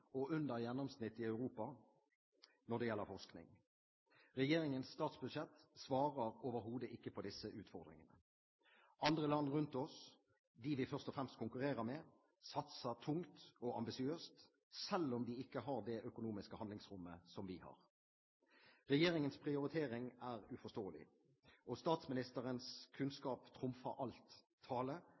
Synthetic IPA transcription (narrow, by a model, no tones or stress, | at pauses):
ɔʉnd̪əʁjɛnːɔmsnɪt̪ːɪɑʉʁuːpɑ | nɔd̪ɛjɛlːəɾfɔʂknɪ̰ŋ | ʁɛjeːɾɪŋənsːt̪ɑːt̪sbʉd̪ʃɛt̪ːsʋɑːʁəɾoːʋəɾɦuːd̪əʔɪkːəpʰɔd̪ɪsːəʔʉːt̪fɔʁd̪ʁɪ̰ŋənə | ʔɑnd̪ʁəlɑnːʁʉnt̪ɔs | d̪ɪʋɪfœʁst̪ɔfɾʁɛmst̪kʰʊŋkʉʁeːɾəɾmɛ | sɑt̪sət̪ʰʊŋt̪ɔɑmbɪsɪøːst̪ | sɛlːɔmd̪iɪkːəɦɑʁd̪ɛʔœkʊnuːmɪskəhɑnd̪lɪŋsʁʊmːəsɔmʋɪhɑ̰ːʁ | ɾɛjeːɾɪŋənspʰʁɪʊɾɪt̪ʰeːɾɪŋæːʁʉfɔst̪oːəlɪ̰ | ʔɔst̪ɑːt̪smɪnɪst̪əɾənskʰʉnskɑːpt̪ʰʁʊmfɑ̰ɾʔɑlt̪ʰː | ɑːlə